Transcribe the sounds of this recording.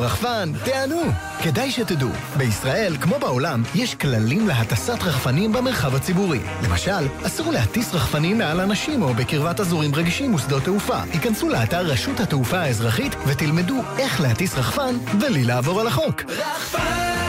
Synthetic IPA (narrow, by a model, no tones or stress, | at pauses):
ʁaχfanteanu | ke̞dajʃetedṵ | beisʁaʔe̞lkmo̞beo̞lamjeʃklalimle̞ɦatasatʁaχfanimbemeʁχavhat͡sibuʁḭ | le̞ma̰ʃalasʁulehatisʁaχfanimːealanaʃimo̞bekiʁvatazuʁimʁeɡiʃimosd̪o̞t̪eufa̰tikansuleataʁːeʃuthateufaaezʁaχitvet̪ilme̞due̞χlehatisʁaχfanvelileavo̞ʁalaχo̞k